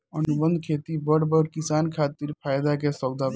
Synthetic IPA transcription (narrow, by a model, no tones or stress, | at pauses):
ənubə̃nd̪ʱkʰet̪ibəɽbəɾkisankʰat̪iɾpʰaːjd̪akesəwd̪ʱab